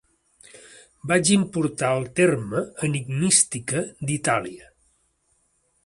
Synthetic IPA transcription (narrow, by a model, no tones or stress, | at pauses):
bad͡ʒimpuɾt̪aəlˠt̪erməːniɡmist̪ikəd̪it̪aliə